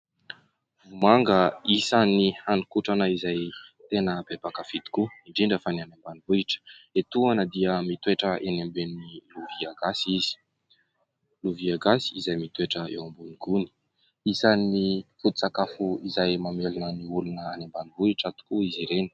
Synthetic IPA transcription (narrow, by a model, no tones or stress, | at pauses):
vumaŋɡəisanihanikuʈ͡ʂanəizajt̪enəbebakəvid̪i̥kuiɳɖ͡ʐiɳɖ͡ʐefanianembanivuiʈ͡ʂə̥et̪uanəd̪iəmit̪weʈ͡ʂəʔenambeniluviaɡasiz̥i̥ | luviaɡasiizajmit̪weʈ͡ʂəḛwambuniɡuni̥ | isanifut̪u̥t͡sakafuizajmamelanəniulunəanembanivuiʈ͡ʂat̪u̥kuiziɾeni̥